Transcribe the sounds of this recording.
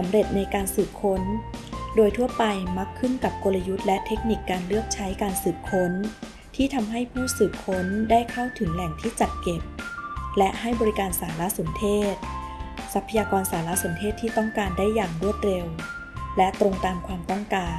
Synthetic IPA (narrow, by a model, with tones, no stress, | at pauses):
sa˩˦mɾe˨˩t̪̚na˧jkaː˧nsɯː˨˩p̚kʰo˦˥ndoː˧jt̪ʰu˥˩əpa˧jma˦˥kʰːɯ˥˩nka˨˩p̚ko˧la˧ju˦˥t̪̚lɛ˦˥t̪ʰe˦˥k̚ni˨˩kːaː˧nlɯ˥˩ək̚t͡ɕʰa˦˥jkaː˧nsɯː˨˩p̚kʰo˦˥n | t̪ʰiː˥˩t̪ʰa˧mɦa˥˩jpʰuː˥˩sɯː˨˩p̚kʰo˦˥ndaː˥˩jkʰa˥˩wt̪ʰɯ˩˦ŋlɛ˨˩ŋt̪ʰiː˥˩t͡ɕa˨˩t̪̚ke˨˩p̚lɛ˦˥ʔha˥˩jbɔː˧ɾi˦˥kaː˧nsaː˩˦la˦˥ʔso˩˦nt̪ʰeː˥˩t̪̚ | sa˦˥pʰːa˧jaː˧kɔː˧nsaː˩˦la˦˥so˩˦nt̪ʰeː˥˩t̪ʰːiː˥˩t̪ɔ˥˩ŋkaː˧nda˥˩jːaː˨˩ŋɾu˥˩ət̪̚ɾe˧w | lɛ˦˥t̪ɾo˧ŋt̪aː˧mkʰwaː˧mt̪ɔ˥˩ŋkaː˧